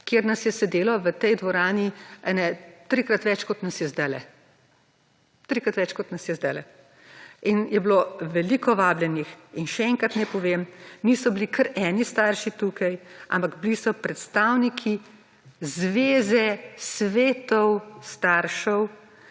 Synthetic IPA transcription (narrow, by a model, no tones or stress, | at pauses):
keːɾnɐsjɛsɛd̪eːlɔʋət̪ɛjd̪ʋɔɾaːniɛnɛt̪ɾikɾɐt̪ʋɛt͡ʃkɔt̪nɐsjɛzd̪ɛlɛ̰ | t̪ɾikɾɐt̪ʋɛt͡ʃkɔt̪nɐsjɛzd̪ɛlɛ | injɛbloʋɛliːkɔʋaːblʲjɛnixinʃɛɛŋkɾat̪nɛpɔʋemnisɔbilikʰəɾɛːnist̪aːɾʃit̪uːkʰajʔa̰mpaɡblisɔpɾɛt̪st̪aːwnikʰi | zʋeːzɛsʋeːt̪ɔwst̪aːɾʃɔw